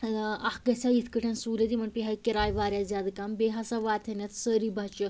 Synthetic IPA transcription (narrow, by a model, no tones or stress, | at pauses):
ɐhɡɐsait̪ʰkəʈʰɐnsuːɾɐt̪imɐɳpiɦɐjkeɾaːjʋaːɾʲjaszjaːd̪kambeɦɐsɐʋaːt̪ʰɐnjɐt̪ʰsəɾiːbʱat͡ʃɐ